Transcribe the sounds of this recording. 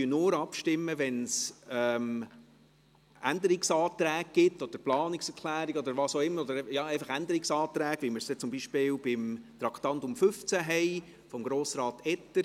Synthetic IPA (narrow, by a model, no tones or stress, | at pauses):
ynʊːɾɑpʃtɪmːəʋɛnsɛm | ænd̪əɾiksɑːt̪ɾæːɡ̚ɡ̥ɪtːɔd̥əɾplɑːnɪksɛɾkʰlæːɾiɡɔd̪əɾʋɑːsoʊɪmːəɾɔd̪əɾjɑːɛɪfɑχænd̪əɾiksɑːt̪ɾæːɡ̥ʋiməsd̥ɛt͡sʊmbiʃpɪːlb̥ɪmt̪ɾɑkʰt̪ɑnt̪ʊmfʏft͡sæɦɛɪ | fɔmɡɾoːsɾɑːt̪ɛtːə